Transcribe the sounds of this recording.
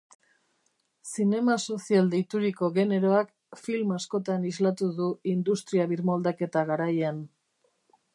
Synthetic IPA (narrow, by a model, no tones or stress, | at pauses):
sine̞maso̞siald̪ejt̪uɾiko̞ɣe̞ne̞ɾo̞ak | filmasko̞t̪anizlat̪uðuind̪ust̪ɾiaβiɾmold̪ake̞t̪aɣaɾajan